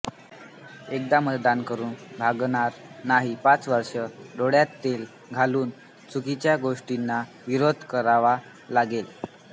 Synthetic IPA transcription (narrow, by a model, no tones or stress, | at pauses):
ek̚d̪amət̪d̪ankəɾuːnbʱaɡɳ̃aɾnaɦipat͡sʋəɾʂəɖoɽjat̪ːel | ɡʱaluːn | t͡sukit͡ɕjaɡoʂʈinːa | ʋiɾod̪ʱkəɾaʋa | laɡel